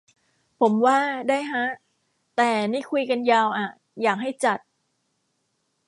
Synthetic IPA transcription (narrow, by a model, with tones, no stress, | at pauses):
pʰo˩˦mwaː˥˩daː˥˩jɦa˦˥ | t̪ɛː˨˩niː˥˩kʰu˧jka˧njaː˧wʔa˨˩ | jaː˨˩k̚ɦa˥˩jt͡ɕa˨˩t̪̚